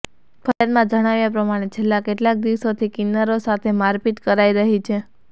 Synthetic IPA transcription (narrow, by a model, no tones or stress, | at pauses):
fʰəɾjad̪mãd͡ʒəɽ̃aʋjapɾəmaɽ̃et͡ʃʰelːakeʈlak̚d̪iʋsot̪ʰikɪnːaɾosat̪ʰemaɾpit̪kəɾaiɾəɦit͡ʃʰe